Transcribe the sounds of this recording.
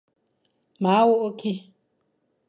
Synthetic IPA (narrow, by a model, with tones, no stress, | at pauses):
ma˨˦wo˦ʔo˦kʰi˦